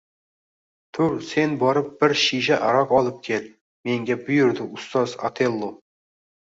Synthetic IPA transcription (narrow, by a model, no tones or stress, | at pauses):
t̪ʰuɾse̞nbɑɾəp̚b̥ɪɾʃiʒɪʔɑɾɑqɑlˠəp̚kʲʰe̞l | me̞ŋɡʲebʊjʊɾd̪ɪʊst̪ɑzɑ̰t̪ʰelˠːo